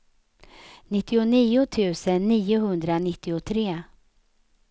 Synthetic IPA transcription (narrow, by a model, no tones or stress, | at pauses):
nɪt̪ːɪʊniːʊt̪ʰʉ̟ːsənːiːʊɦɵnd̪ɾanɪt̪ːɪʊt̪ʰɾeː